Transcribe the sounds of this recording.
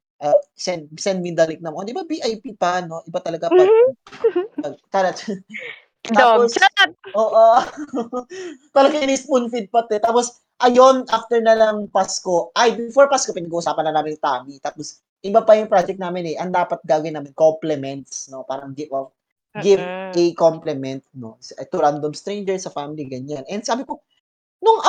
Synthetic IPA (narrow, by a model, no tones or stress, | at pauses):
ʔɐsɛnd̪sɛnd̪̚mɪnd̪alɪk̚nɐmond̪ɪbabiʔajpipɐno̞ʔɪbat̪ɐlɐɡapɐɡ | pɐɡ̚t̪ɐɾɐt͡ʃ | d̪apposoːʔo | p̪ɐlɐɡɐnɪspʊnfid̪̚pɐt̪ot̪aːpos | ʔɐjonʔaft̪ɛɹnɐlɐŋpasko̞ʔajbɪfoɹpaskopɪnɐɡuʔʊsaːpɐnlɐnaːmɪnjŋt̪aːmɪt̪aːpos | ʔɪbapɐjʊŋpɾad͡ʒɛk̚tnaːmɪnɛʔɐŋd̪aːpɐt̪̚ɡaːɡɐjnaːmɪnkomplɛmɛnt̪sno̞paːɾɐŋɡɪo | ɡɪvʔɛkomplɛmɛnt̪̚no̞sɛt̪ʊɾand̪omst̪ɾɛnd͡ʒɛɹsɐfamɪliɡɐɲanʔɛnd̪saːbɪko | nʊŋɐ